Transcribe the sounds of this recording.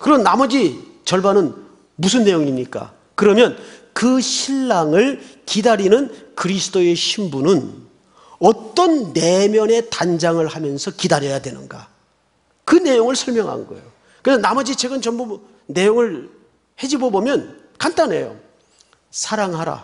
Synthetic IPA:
kɯɾʌnnamʌd͡ʑi | t͡ɕʌɭbanɯn | mus̬ʰɯnːe̞joŋimɲik͈a̰ | kɯɾʌmjʌn | kɯɕʰiɭːaŋɯɭkidaɾinɯnkɯɾisʰɯ̥t͈oe̞ɕʰimbunɯn | ʌt͈ʌnːe̞mjʌne̞tand͡ʑaŋɯɭhamjʌnsʰʌkidaɾjʌjadwe̞nɯ̰nɡa̰ | kɯne̞joŋɯɭsʰʌɭmjʌŋɦa̰nɡʌḛjo | kɯɾesʰʌnamʌd͡ʑit͡ɕwe̞ɡɯnt͡ɕʌmbo | ne̞joŋɯɭ | he̞d͡ʑibobomjʌn | kant͈ane̞jo̰ | sʰaɾaŋɦaɾa̰

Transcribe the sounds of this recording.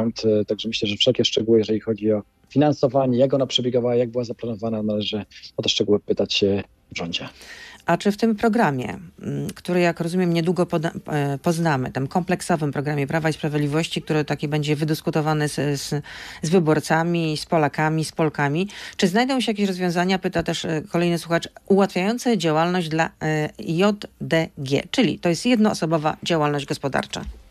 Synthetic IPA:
nt̪t̪aɡʐɛmɘɕlɛʐɛfʂɛlkʲɛʂt͡ʂɛɡuwɘjɛʐɛlʲixɔd͡ʑiɔ | fʲinansɔvaɲɛjakɔnapʂɛbʲjeɡavawajaɡ̚bɘwazaplanɔvananalɛʐɘɔt̪ɛʂt͡ʂɛɡuwɘpɘt̪at͡ɕɕɛ | vʐɔɲd͡ʑɛʔat͡ʂɘft̪ɘmpɾɔɡɾamʲjɛ̰kt̪uɾɛjakɾɔzumʲjɛmɲɛd̪wuɡɔpɔpɔznamɘ̰t̪ɛmkɔmplɛksɔvɘmpɾɔɡɾamʲjɛpɾavaispɾavʲjed̪lʲivɔɕt͡ɕik̚t̪uɾɛt̪akʲɛbɛɲd͡ʑɛvɘd̪ɘskut̪ɔvanɛzzvɘbɔɾt̪samʲispɔlakamʲispɔlkamʲit͡ʂɘznajd̪ɔ̃w̃ɕɛjak̬ʲeɕɾɔzvʲjɔ̃w̃zaɲapɘt̪at̪ɛʂkɔlɛjnɨswuxat͡ʂʔuwat̪fʲjajɔnt̪sɛd͡ʑawalnɔʑd͡ʑd̪lajɔd̪d̪ɛɡʲɛ̰t͡ʂɘlʲḭt̪ɔjɛst̪jɛd̪nɔ̰ːsɔbɔva̰d͡ʑawalnɔʑd͡ʑɡɔspɔd̪a̰ɾt͡ʂa̰

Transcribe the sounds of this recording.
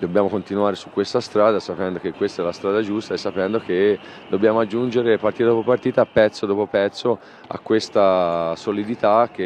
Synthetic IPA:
d̪objaːmokont̪inuaːɾesukːwest̪ast̪ɾaːd̪asapɛnd̪ok̟ekːwest̪aɛlast̪ɾaːd̪ad͡ʒust̪aesːapɛnd̪oke | d̪objaːmoad͡ʒːund͡ʒeɾepart̪iːt̪ad̪opopart̪iːt̪aːpːɛt̪sːod̪oːpopɛt̪sːo | a̰kːwest̪asolid̪it̪ak̟ːe

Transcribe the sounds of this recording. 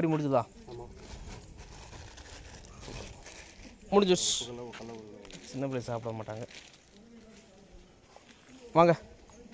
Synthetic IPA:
ɾimʊɽɪɲd͡ʒɐðãː | mʊɽɪɲd͡ʒʊs | t͡ʃɪnːɐpɾeːsaːpɪɽɐɐmaːʈːaːŋɡɐ | ʋaːŋɡɐ

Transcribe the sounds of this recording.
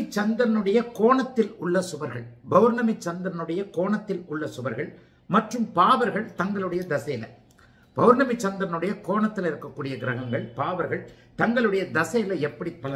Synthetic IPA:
t͡ʃːɐnd̪ɐɾɐnɯɽɐjɐkoːɳɐt̪ːɪlʊɭːɐsʊʋɐɾɣɐ̰ɭbɐʋʊɾnɐmɪt͡ʃːɐnd̪ɐɾnɯɽɐjɐkoːɳɐt̪ːɪlʊɭːɐsʊʋɐɾɣɐɭ | mɐʈrɯmpaːʋɐɾɣɐɭt̪ɐŋɡɐɭɯɽɐjɐd̪ɐsɐjɪlɐ̰ | b̥ɐʋʊɾnɐmɪt͡ʃːɐnd̪ɐɾɐnɯɽɐjɐkoːɳɐt̪ːɪlɪɾɯkːɐkːuːɽɪjɐɡɪɾɐɣɐŋɡɐɭpaːʋɐɾɣɐɭ | t̪ɐŋɡɐɭɯɽɐjɐd̪ɐsɐjɪlɐɛpːɐɽipːɐlɐ

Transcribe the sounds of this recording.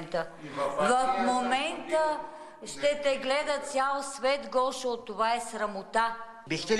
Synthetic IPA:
nt̪əvɐfmomɛnt̪ə | ʃt̪ɛt̪ɛɡlɛd̪ət̪sʲjalˠsvɛt̪ɡɔʃɛot̪ːovaɛsɾɐmot̪a | bixt̪ɛ

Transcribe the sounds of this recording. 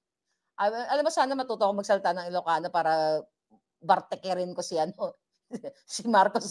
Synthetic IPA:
ʔaʔɐlamːosaːnɐmɐt̪uːt̪oʔkoŋmɐɡsɐlt̪aʔnɐŋɪlokaːnopaːɾɐ | bɐɾt̪ɛkɛɾɪnkosɪʔɐno | sɪmaɾkos

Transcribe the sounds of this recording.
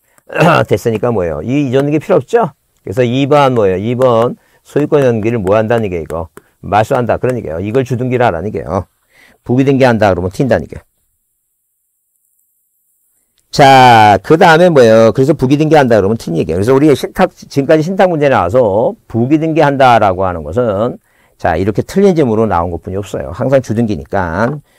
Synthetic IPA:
twe̞s͈ɯɲik͈amwʌjo̰iːd͡ʑʌnɯɡepʰiɾoːp̚t͡ɕ͈o | kɯɾesʰʌibʌnmwʌjoibʌn | sʰojuk͈ʌɲʌnɡiɾɯɭmoɦandaɲiɡeiɡʌ̰ | maɭs͈uɦandakɯɾʌɲik͈a̰jo̰iɡʌɭt͡ɕuduŋɡiɾɯaɾa̰ɲiɡḛjo̰ | puɡidwenɡe̞handakɯɾʌmɯntʰindaɲḭk͈a̰jo | t͡ɕakɯdaɯme̞nmwʌjokɯɾe̞sʰʌpuɡidenɡe̞ɦandakɯɾʌmɯntʰiɲiɡejokɯɾes̬ʰʌuɾieɕʰintʰak̚t͡ɕiɯmk͈ad͡ʑiɕʰintʰaŋmund͡ʑe̞nnawas̬ʰʌpuɡidwenɡe̞handaɾaɡoɦanɯnɡʌs̬ʰɯn | t͡ɕa̰iɾʌkʰe̞tʰɯʎːind͡ʑemɯɾona̰unɡʌt̚p͈uɲiʌp̚s͈ʌ̰jo̰haŋsʰaŋt͡ɕudɯnɡiɲḭk͈an

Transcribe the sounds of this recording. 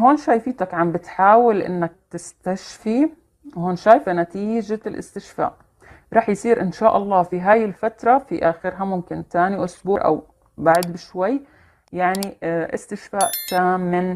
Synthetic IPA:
hoːnʃaːjfiːt̪akʕambɪt̪ħaːwalʔɪ̰nːak̚t̪ɪst̪aʃfi | whoːnʃaːjfanat̪iːd͡ʒalʔɪ̰st̪ɪʃfa̰ːʔ | ɾˤɑːħjsiːɾʔɪnʃaːʔɑlˤːɑːfiɦaːjɪlfat̪ɾˤɑfiʔaːxɪɾɦamʊmkɪnt̪aːniʔʊsbuːɾʔa̰w | baʕd̪bɪʃwajː | jaʕniʔɪ̰st̪ɪʃfaːʔt̪aːmːɪn

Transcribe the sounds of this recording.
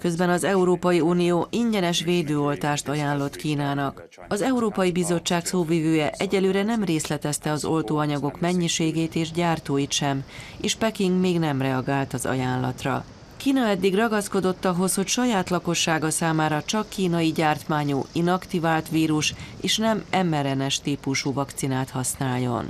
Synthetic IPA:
kø̞zbɛnɒzɛuɾoːpɒjiunijoːʔiɲɟɛnɛʃʋeːd̪øːo̞lt̪aːʃt̪ɒjaːnlo̞t̪kiːnaːnɒk | ɒzɛuɾoːpɒjibizo̞t͡ʃːaːksoːviːvøːjɛʔɛɟɛløːɾɛnɛmreːslɛt̪ɛst̪ɛɒzo̞lt̪oːɒɲɒɡo̞kmɛɲːiʃeːɡeːt̪eːʒɟaːrt̪oːjit̪ʃɛm | eːʃpɛkiŋɡmeːɡnɛmrɛɒɡaːlt̪ɒzɒ̰jaːnlɒ̰t̪rɒ̰ | kiːnɒɛd̪ːiɡrɒɡɒsko̞d̪o̞t̪ːɒɦo̞sho̞cʃɒjaːt̪lɒko̞ʃːaːɡɒsaːmaːɾɒt͡ʃɒkːiːnɒjiɟaːrt̪maːɲuinɒkt̪ivaːlt̪ʋiːɾuʃeːʃnɛmɛmːɛɾɛnɛʃt̪iːpuʃuːvɒkt̪sinaːt̪hɒsnaːlːo̞̰n

